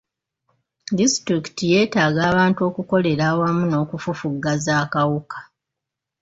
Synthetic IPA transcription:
distɾiki̥tije̞ːtaːɡaːβaːntuo̞ːkuko̞le̞ɾaːwamuno̞ːkufufuɡːazaːkawukḁ

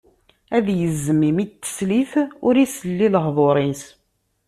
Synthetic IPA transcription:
æðjəzːəmimit̪ːə̥sliθʊɾisəlːiləhðˤoɾˤins

